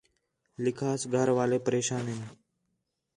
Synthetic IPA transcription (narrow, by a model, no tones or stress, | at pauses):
lɪkʰaːsɡʱəɾʋaːlepəɾeːʃaːnen